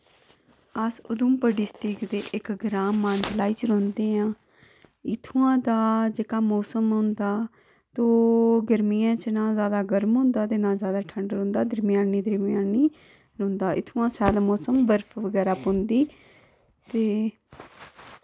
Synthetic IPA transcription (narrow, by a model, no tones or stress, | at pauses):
əsʊd̪ʊmpəɖɪsʈɪkd̪eːʔɪkɡɾaːmːaːnd̪laːiːt͡ʃɾõːnd̪eːãː | ɪt̪ʰũːãːd̪aːd͡ʒeːkaːmoːsəmɦʊ̃nd̪aː | t̪oːɡəɾmijãːt͡ʃnãːzjaːd̪aːɡəɾmɦʊ̃ːnd̪aːt̪eːnãːzjaːd̪aːʈʰəɳɖɾõːnd̪aːd̪əɾmjãːnːiːd̪əɾmjãːniː | ɾõːnd̪aːʔɪ̰t̪ʰːũãːsaːlmɔːsəmbəɾpʰʋəɡɛːɾaːpõnd̪iː | t̪eː